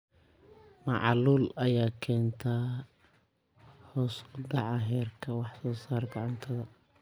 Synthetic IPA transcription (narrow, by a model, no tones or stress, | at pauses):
mɑʕluːlɐjaːkʰɛːnt̪ʰaː | hɔːsʊɖɑʕɑɦɛːrkʰɐwɑħsɔːsaːrɡɑʕʊnt̪ʰɐðɐ